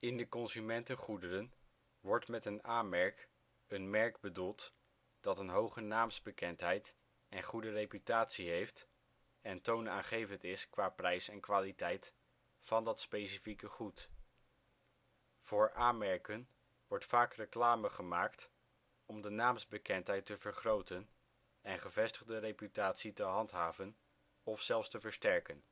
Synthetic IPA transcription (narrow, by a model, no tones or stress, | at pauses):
ɪndəkɔnzymɛntənχudəɾən | ʋɔɹtmɛtənaːnmɛɹk | ənmɛɹkbədulˠt | d̥ɑtənɦowχənaːmzbəkɛntɦɛjt | ɛnχudərejpytaːtsiɦejft | ɛntownaːχejvəntɪskʋaːprɛjsɛnkʋaːlitɛjt | fɑndɑtspejsifikəχut | v̥ʊːɹʔaːnmɛɹkən | ʋɔɹtfaːkrəklaːməχəmaːkt | ɔmdənaːmzbəkɛntɦɛjtəvəɹχrowtən | ɛnχəvɛstəχdərejpytaːtsitəɦɑntɦaːvən | ɔfsɛlˠfstəvəɹstɛɹkən